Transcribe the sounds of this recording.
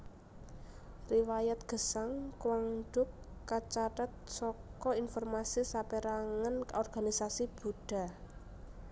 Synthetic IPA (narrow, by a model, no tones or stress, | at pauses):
riwajat̪̚ɡ̥ə̤saŋkwaŋɖ̥ʊkː | at͡ʃatət̪̚sɔkɔinfɔrmasisapeɾaŋənkɔrɡ̥a̤nisasib̥ṳɖ̥a̤